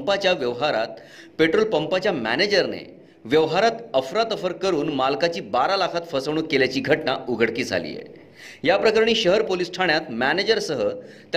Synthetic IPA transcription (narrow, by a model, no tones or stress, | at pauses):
mpat͡ɕjaʋjəʋɦaɾa̰t̪̚ | peʈɾolpəmpat͡ɕjamæ̰ned͡ʑəɾnḛ | ʋjəʋɦaɾat̪əfɾat̪əfəɾkəɾuːnmalkat͡ɕiːbaɾalakʰat̪fəsəʋɳuːkeljat͡ɕiːɡʱəʈnauɡʱəɽkiːd͡zʱa̰lḭjḛ | japɾəkaɾɳ̃iːɕəɦəɾpolisʈʰaɳjat̪mæned͡ʑəɾsəɦə | t̪